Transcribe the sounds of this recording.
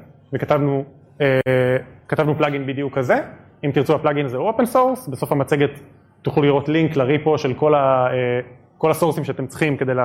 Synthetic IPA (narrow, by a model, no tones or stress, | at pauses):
vekat̪avnu | ekat̪avnuplaɡinbid̪ijukaze | imt̪iʁt͡suhaplaɡinzeo̞pensoʁsbeso̞famat͡seɡet̪ | tːuχuliʁo̞tliŋklaʁipoʃelko̞lae | ko̞lasoʁsimʃeat̪emt͡sχimke̞d̪ejla